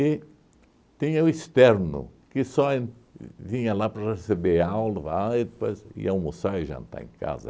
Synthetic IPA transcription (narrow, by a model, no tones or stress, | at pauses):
ɪ | t̪ĩɲɐʊist̪ɛɾnʊ̰kɪsɔẽvĩɲɐlapɾɐresebeawlɐvajd̪ɪpojzḭaw̃mosajʒã̰nt̪a̰ḛ̃ŋka̰zɐ̰